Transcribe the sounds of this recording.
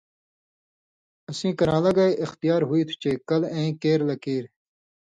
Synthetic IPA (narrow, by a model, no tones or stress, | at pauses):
ɐsĩːkɐɾãːlɐɡaːeʔɪxt̪ijaːɾɦuiːt̪ʰu̥t͡ʃeːkɐlẽĩːkeːɾlɐkeːɾ